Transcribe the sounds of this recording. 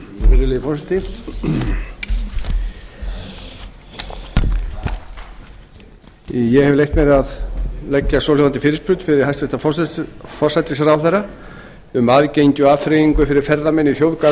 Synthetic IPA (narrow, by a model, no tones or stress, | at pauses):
ɾɪlejɪfɔrsat̪ɪ | jɛhɛvlejht̪mɛɾaðlɛcːasɔwlʏvant̪ɪfɪːɾɪspʰɾʏt̪fɪɾɪɾ̥hajst̪vɛst̪afɔfɔrsat̪ɪsɾawθɛra | ʏmaðcejɲcʏafɾejiŋkʏfɪɾɪɾ̥fɛɾðamɛnːɪθjowðka